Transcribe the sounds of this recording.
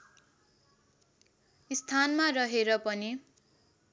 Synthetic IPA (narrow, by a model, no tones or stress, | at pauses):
ist̪ʰanmarʌɦeɾʌpʌni